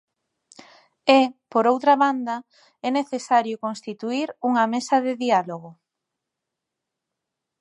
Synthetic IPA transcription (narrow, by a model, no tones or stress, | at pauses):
epoɾowt̪ɾɐβand̪ɐ | ɛneθesaɾjʊkonst̪it̪uiɾuŋɐmesɐðeðialoɣo